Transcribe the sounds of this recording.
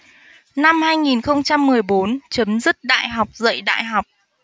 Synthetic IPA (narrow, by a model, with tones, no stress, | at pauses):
na˧mhaː˧jŋi˨˩nxə˧wŋ͡mt͡ɕa˧mːɨ˨˩əjɓo˨˦nt͡ɕə˨˦mzɨ˦˥t̚ɗa̰ː˧˨jɦa˨˩wk͡p̚zə̰˧˨jɗa̰ː˧˨jɦa˨˩wk͡p̚